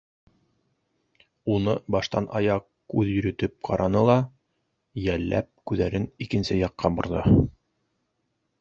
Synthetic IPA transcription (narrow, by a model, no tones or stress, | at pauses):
unɤbɑʃt̪ɑnʔɑjɑq | kʉðjɵ̆ɾɵ̆t̪ɘp̚qʰɑɾʔɑnɤlˠɑ | jælːæ̰p̚kʉðæɾɘnikɘ̆nsɘjɑqːɑbŏɾðɤ̰